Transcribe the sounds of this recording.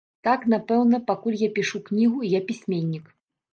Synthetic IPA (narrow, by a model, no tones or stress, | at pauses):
t̪aknapɛwnɐpakulʲjapʲiʂuknʲiɣujapʲisʲmʲenʲːik